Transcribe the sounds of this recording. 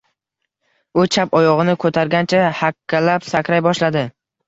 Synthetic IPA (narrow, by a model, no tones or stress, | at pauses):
ʊt͡ʃʰapɒjɒʁɨnɪkʰɵt̪ʰaɾɡʲant͡ʃʰahakʲʰːalapsakʲɾajbɒʃlad̪ɪ